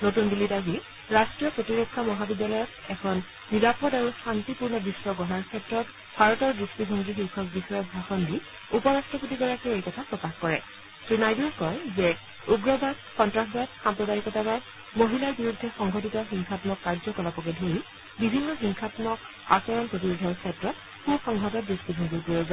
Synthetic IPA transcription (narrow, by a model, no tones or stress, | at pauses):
notundilitaɡi | ɹastɹijɔpɹotiɹekʰːamɔɦabidalɔjɔtɛkʰɔnː | iɹapɔdaɹusantipuɹnɔbisːɔɡɔɦaɹkʰɛtɹɔt | bʱaɹɔtɔɹdɹustidʱɔŋɡixiwkʰɔk̚bixɔjɔbʱaxɔndi | upɔɹastɹɔputiɡɔɹakiejkɔtʰapɹɔkaxkɔɹɛ | sɹinajdɔkɔjzɛ | uɡɹɔbadxɔntɹaxbad̚xampɹɔtaɹikɔtaba | moɦilaɹbiɹudʱːɛxɔŋɡɔtitɔxiŋxʰatmɔkːaɹzɔkɔlapɔkɛdʱoɹi | bibʱinːɔxiŋxʰatmɔk | a̰sɔɹɔnpɹotibodʱɔɹkʰɛtɹɔt | kubxɔŋɦɔtɔdɹustibʱɔŋɡiɹkoɹɔza